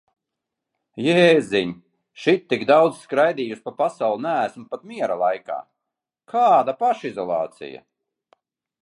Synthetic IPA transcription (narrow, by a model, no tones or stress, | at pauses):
jeːziɲ | ʃit̪̚ːiɡd̪awd̪zskɾajd̪iːjuspapasawlˠunææsmpat̪miɛɾalˠajka̰ː | kʰaːd̪apaʃizɔlˠɑ̰ːt̪sḭja̰